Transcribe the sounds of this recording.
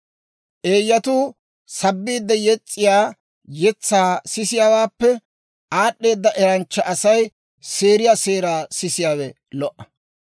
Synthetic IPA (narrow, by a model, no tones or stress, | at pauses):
ʔe̞ːjːɐt̪uː | sɐbːiːd̪ːɐjɛt͡sʼːɪjaː | jɛt͡sːaːsɪsɪjaːwaːpːɛ | ʔaːɗːe̞ːd̪ːɐʔɛɾɐnt͡ʃːɐʔɐsɐj | se̞ːɾɪjaːseːɾaːsɪsɪjaːwɛ | lɔʔɐ